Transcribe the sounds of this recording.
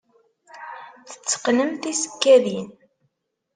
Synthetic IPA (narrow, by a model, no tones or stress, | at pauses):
θə̥t͡sːə̥qləmθisə̥kːæðin